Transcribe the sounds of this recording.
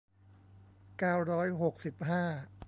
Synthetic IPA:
kaː˥˩wɾɔː˦˥jɦo˨˩k̚si˨˩p̚ɦaː˥˩

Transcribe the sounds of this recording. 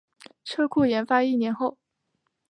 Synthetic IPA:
ʈ͡ʂʰɤ˥kʰu˥˩jɛ˧˥nfa˥i˥˩njɛ˧˥nxo˥˩ʊ

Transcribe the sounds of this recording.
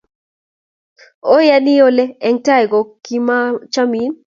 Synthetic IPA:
o˦ja˦ni˦jo˦lɛ˦ɛ˨ŋta˦ɛ˨ɡɔ˨ki˦ma˦t͡ʃa˦mi˨˦m

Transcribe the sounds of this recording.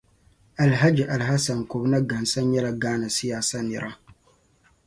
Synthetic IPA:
a˨lɦa˦d͡ʒi˨ʔa˨lɦa˦sa˨n˨ko˨bna˦ɡa˨nsa˦ɲɛ˦la˨ɡaː˦na˨si˦jaː˨sa˦nɪ˨ɾʔa˦

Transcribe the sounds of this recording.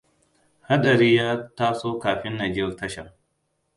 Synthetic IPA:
ha˦ɗɐ˨ɾiː˦jaː˦taː˦soː˦kaː˨ɸɪ˦nːa˨d͡ʒɪ˦rtɐ˦ʃɐ̰˨

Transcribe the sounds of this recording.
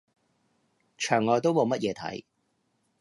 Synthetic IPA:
t͡ʃʰœː˨˩ŋːɔː˨˧jt̪̬o˥wmo˨˧wmɐ˥t̚jɛː˨˧t̪ʰɐ̰˨˥j

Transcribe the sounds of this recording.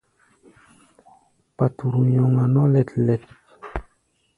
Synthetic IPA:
pa˨tu˨ɾu˨ɲɔ˨ŋa˨nɔ˦lɛ˨tlɛ˨t̚

